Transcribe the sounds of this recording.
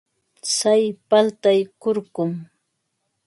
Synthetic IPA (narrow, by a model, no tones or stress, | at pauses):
sajpalt̪ajkʊɾɢʊm